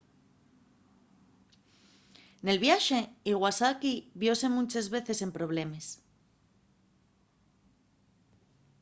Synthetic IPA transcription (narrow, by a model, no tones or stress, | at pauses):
ne̞lβjaʃe̞iɣwasakiβjo̞se̞mũt͡ʃezβe̞θe̞se̞mpɾo̞β̞le̞mes